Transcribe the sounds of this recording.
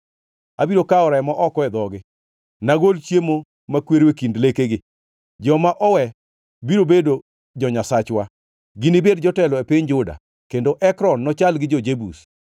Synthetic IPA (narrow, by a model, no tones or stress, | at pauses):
abiɾokaɔɾaɛmaʔɔkɔɛd̪ɔɡɪ | naɡolt͡ʃjemo | makweɾekindlekeɡɪ | d͡ʒɔmaʔɔwɛ | biɾobedo | d͡ʒɔɲasat͡ʃwa | ɡɪnibedd͡ʒɔtɛlɔepɪɲd͡ʒʊda̰ | kendoʔɛkɾɔnːɔt͡ʃalɡɪd͡ʒɔd͡ʒebus